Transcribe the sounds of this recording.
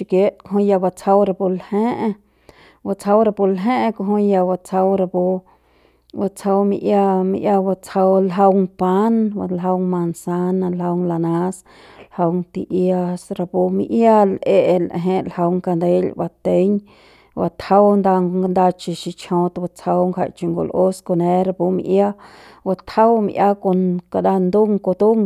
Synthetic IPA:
i˧kje˦t̪ko˧ɦõ˧ja˧ba˧t͡sha˧wɾa˧po˧lhẽ˦ʔ | ba˧t͡sha˧wɾa˧po˧lɦẽ˦ʔko˧ɦõ˧ja˧ba˧t͡sʰa˧wɾa˧bo˧ | ba˧t͡sʰa˧wmḭ̃˧ʔja˧mḭ̃˧ʔja˧ba˧t͡sa˧wlɦə˧wŋpa˦na˧lɦə˧wŋmã˧nsa˦nã˧lɦə˧wŋla˧nã˧˦s | lhə˧wŋt̪i˧ʔja˧sɾa˧pu˧mḭ˧ʔja˦lʔe˦˧ʔlʔɦẽ˧lhə˧wŋka˧nd̪e˦lba˧t̪e˦ɲ | ba˧t̪hə˦wnd̪a˧ŋ˧ŋɡnd̪a˧t͡ʃi˧ʃi˧t͡ʃʰõ˧t̪ba˧t͡sə˧wŋka̰˧˨jt͡ʃi˧ŋɡo̰˨˧lʔo˦sko˧nẽ˧˦ɾa˧pu˧mḭ̃˧ʔja˦ | wa˧t̪hə˦wmi˧ʔja˦ko˧nka˧d̪a˧nd̪u˦ŋko˧t̪u˦ŋ

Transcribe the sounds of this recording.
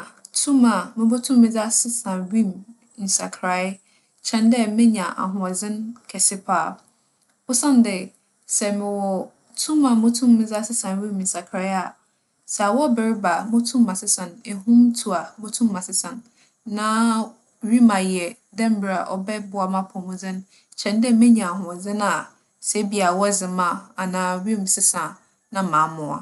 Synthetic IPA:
tʰũ˦mã˨mɪ̃˦bo˦tʰũ˦mːɪ̃˦d͡za˦sɪ˦sã˨ɥĩ˦m˨ | n̩˨sa̰˨kʰɾa˨˦ | t͡ɕʰɛ̃˦˨ndɛ˦mɪ̃˦ɲã˨ʔa̰˨ɦʊ̃˨ɔ˨d͡zɪ̃˦nkʰɛ˨sɪ˦pʰaː˦˨ | wʊ˦sã˦n˦dɪ˨ | sɛ˨mɪ̃˨wɔ˨ | tʰũ˦mã˨mʊ̃˦tʰũ˦mːɪ̃˦d͡za˦sɪ˦sã˨nɥĩ˦m˨n̩˨sa˨kʰɾa˨˦a˨ | sɛ˨a˨wɔ˦bɪ˨ɾɪ˦ba˨mʊ̃˦tʰũ˦mã˨sɪ˦sã˨ne˨ɦũ˦mtʰu˨a˨mʊ̃˦tʰũ˦mːã˨sɪ˦sã˨nː | ãː˦ | ɥi˦mã˨jɛ˨ | dɛ̃˦m̩˦bɪ˦˨a˨ʔɔ̰˨bɛ˦bʊ˦a˨mã˦pʰɔ̃˨mʊ̃˨d͡zɪ̃˦ñ˦ | t͡ɕʰɛ̃˨n˦dɛ˦mẽ˦ɲã˨a˨hʊ̃˨d͡zɪ̃˦na˨ | sɛ˦bi˦a˨wɔ˦˨zɪ˨mã˦a˨nãː˨ɥĩ˦m˨sɪ˦sã˨ | nã˦mã˨˦mʊ̃˨a̰˨

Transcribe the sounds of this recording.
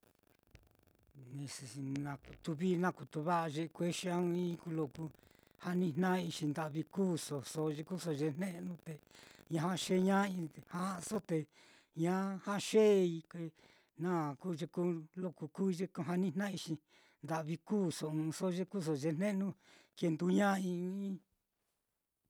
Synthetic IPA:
nĩ˧si˨i˧nã˧ku˨t̪u˧βi˦nã˦˨ku˨t̪u˧βa˦ʔa˧ʒe˧kʷe˦ʃi˧˦ã˦ũ˧ĩ˦˧ku˧lo˧ku˧ | ha˦nĩ˦n̥nã˦˧i˧ʃi˧nd̪a˨βi˧kuː˦so˨so˧ʒe˧ku˦so˧ʒe˧n̥nẽ˦ʔnũ˦t̪e˨ɲã˧ɦã˦ʃe˦ɲã˦ĩ˧˨hã˦˧so˦t̪e˧ | ɲã˦hã˦ʃe˦˧i˧kʷe˧ | nã˦˨ku˦ʒe˧ku˦lo˧˨ku˧kuː˦˧ʒe˧ku˧ɦa˧nĩ˦n̥ã˦i˧ʃi˧ | nd̪a˧ʔβi˧kuː˦˨so˨ɨ̃˧so˦˧ʒe˦˧ku˦s̬o˧˨ʒe˧n̥ẽ˦nũ˦ke˧nd̪u˧ɲã˦ĩ˧˦ĩ˦

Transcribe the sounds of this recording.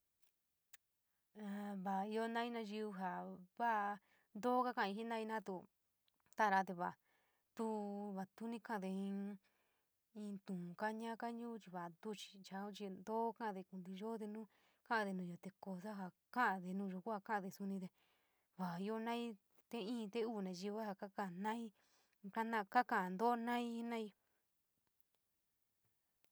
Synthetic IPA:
a˧βa˨i˧jo˧nã˦ĩ˦nã˧ʒi˧u˧ɦa˨βa˦˧ | nd̪o˦ka˦˧kã˦˧a˧i˧i˦nã˦˧ĩ˧nã˦t̪u˧ | t̪a˦˧ɾa˧t̪e˧βa˨ | t̪u˦βa˨t̪u˦nĩ˧kã˦˧ðe˧ĩ˧ | ĩ˧t̪ũ˨ka˦ɲã˦ka˦ɲũː˦t͡ʃi˧βa˨nd̪u˧t͡ʃi̥˧t͡ʃa˧˦ũ˦t͡ʃi˧nd̪oː˦kã˦ʔa˧ðe˧ku˧nd̪i˧ʒo˦t̪e˧nũ˦ | kã˦ʔã˧ðe˧nũː˧˨˧jo˧t̪e˧ko˧s̬a˦ɦa˧ | kã˦ʔa˧ðe˧nũː˧ʒo˧˨ku˦a˧kã˦ʔã˧ðe˧su˧nĩ˧t̪e˧ | βa˨i˧o˧nã˦i˦ | t̪e˦ĩː˦˧t̪e˦uː˦˨nã˨˧ʒi˧βa˦ha˧ka˦ka˧˨nã˦i˦ | ka˦nã˧ka˦kã˧˨nd̪o˦nã˦i˦nã˦i˧

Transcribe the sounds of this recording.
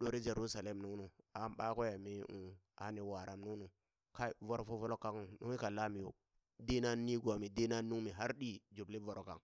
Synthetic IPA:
ɗo˨ɾi˦d͡ʒe˨ɾu˦sa˨le˦mnu˦ŋnu˨a˨˦mɓa˦ko˦ja˨mi˦u˨ | a˨˦ni˨wa˨ɾʔa˨mnu˦nu˨ | ka˦˨vo˦ɾo˨fo˦vo˦lo˦kːa˦ŋ˨nu˦i˦ka˨la˦mi˨jo̰˦ | di˦na˦nːi˦ɡʷa˨mi˨di˦na˦nːu˦ŋmi˨ɦa˦ɾɗi˦d͡ʒu˨bli˦vo˨ɾo˨kːa̰˨ŋ

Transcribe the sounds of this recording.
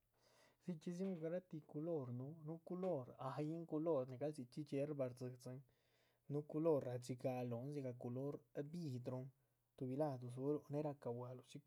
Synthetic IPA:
zi˧t͡ʃi˧z̬i˦mu˧ɡa˧ɾa˦t̪i˧ku˧lo˦ɾnu˧˦nu˦ku˧lo˦˨ɾa˧ji˦ŋku˧lo˦˨ɾne˨ɡa˦lzi˧t͡ʃi˦t͡ʃe˧˦ɾba˧ɾzɨ˧kzɨ˧˦n | nu˦ku˧lo˦˨ɾa˨t͡ʃi˧ɡa˧lo˨nz̬i˧ɡa˧ku˧lo˦ɾbi˧d̪ɾo˧ŋ | t̪u˧bi˧la˦˨d̪u˨s̬u˧˦ɾo˧ne˦ɾa˧ka˨wʷa˧lo˧˨t͡ʃi˦k

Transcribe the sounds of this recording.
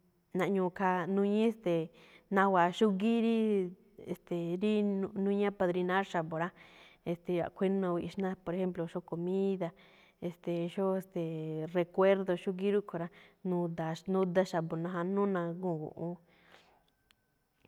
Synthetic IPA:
nã˧˨ɲũ˧kʰa˧nũ˧ɲĩ˦e˧st̪e˨ | nã˧wa˨ʃu˦ɣi˦ɾi˦ | e˨st̪e˨ɾi˦˧nũ˦ɲã˦pa˧ðɾi˧nã˦ɾʃa˨βo˨ɾa˦e˧st̪e˨a̰˨kʷʰe˦nõ˧i˧i˧ʃnã˦po˧ɾe˧xe˦mplo˨˧ʃo˦ko˧mĩ˦ða˧ | e˧st̪e˨ʃo˦e˧st̪e˨re˧kʷe˦ɾðo˧ʃu˦ɡi˦ɾu˦kʰo˨˧ɾa˦nũ˧d̪a˨ʃnũ˦d̪a˦ʃa˨βo˨nã˧ɦa˧nũ˦nã˧ɡũ˦˨ɡṵ˧ʔũ˧

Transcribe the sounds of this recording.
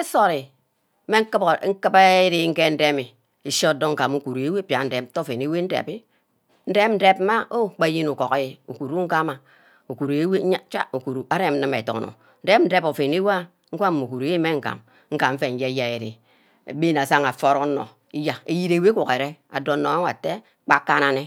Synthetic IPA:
e˦so˦ɾi˨˦ | me˦ŋ̩˦kɨ˦bŋ̩˦kɨ˦ba˦e˦ɾe˦ŋ̩˦ke˦n̩˦de˦mi˨ | i˨so˦˨do˦ŋ̩˦ka˨mu˦ku˨ɾu˨e˦we˦˨˦pʲja˨n̩˦de˨m˦to˦˨fe˨n˨e˦we˦n̩˦dḛ˨pi˦ | n̩˦de˦pn̩˦de˦p̚m̩˦ma˦o˦k͡pa˦ji˦nu˨ko˨ka˦je˨ṵ˨ku˨ɾu˦ŋ̩˦ka˦ma˨ | u˨ku˨ɾi˨e˦we˦ɲa˦t͡ʃa̰˦u˨ku˨ɾu˨a˦ɾe˦m̩˦nɨ˦me˨to̰˨no̰˨ | n̩˦de˦pn̩˦de˦po˨fe˨n˦e˦wa˦ | ŋ̩˦kʷa˦m˨mu˨ku˨ɾe˨˦e˦me˦ŋ̩˦ka̰˨m | ŋ̩˦ka˨m̩˦fe˦˨n̩˦je˦ja˦e˨ɾḛ˨ | ḛ˨be˦na˨sa˦ŋa˨fo˦ɾo˦no̰˨ | i˦ja˨e˨ji˦ɾe˨we˦ku˨ke˨ɾe˦a̰˨do˨˦no˨a˦ŋ˦a̰˨te˦ | k͡pa˦kːa˦na˨ne˦

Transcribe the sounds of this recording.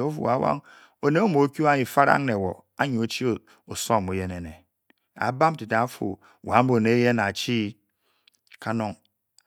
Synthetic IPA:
o˦fṵ˨a˦wa̰˦ŋ | o˨ne˦o˦mo˨˦ku˦a˦ɲi˨fa˦ɾa̰˦ŋne˨wo̰˨ | a˦ɲu˨o˦t͡ʃi˦o˨ | o˨so˦˨mu˨˦je˦ne˨ne˨ | a̰˨˦ba˦m˦ti˨ta˨˦fṵ˨ | wa˨˦m̩˦bo˨ne˨˦je˦na˨t͡ʃi˦ | ka˦no˦ŋ

